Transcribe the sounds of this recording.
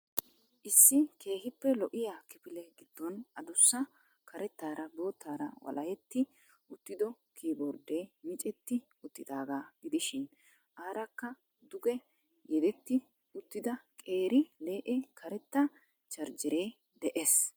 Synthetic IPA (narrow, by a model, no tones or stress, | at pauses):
ʔɪsːɪkʰe̞ːhɪpːɛlɔʔɪjakɪpɪlɛɡɪd̪̥ːɔnɐd̪ʊsːɐ | kʰɐɾɛt̪ːaːɾɐbo̞ːt̪ːaːɾɐwɐ̰lɐjɛt̪ːɪ | ʔʊt̪ːɪd̪ɔ | kʰiːbɔɾd̪eːmɪt͡ʃʼɛt̪ːɪ | ʊt̪ːɪd̪aːɡaːɡɪd̪ɪʃɪn | ʔaːɾɐkːɐ | d̪ʊɡɛ | jɛd̪ɛt̪ːɪ | ʊt̪ːɪd̪ɐkʼe̞ːɾɪle̞ːʔɛkʰɐɾɛt̪ːɐ | t͡ʃɐɾd͡ʒɪɾe̞ː | d̪ɛʔes